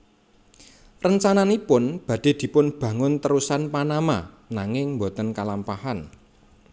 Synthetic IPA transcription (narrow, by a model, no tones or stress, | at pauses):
rəɲt͡ʃananipʊnb̥ä̤d̥e̤d̪̥i̤pʊnb̥ä̤ŋʊnt̪əɾusanpanama̰ | naŋɪŋmbo̤t̪ənkalampahan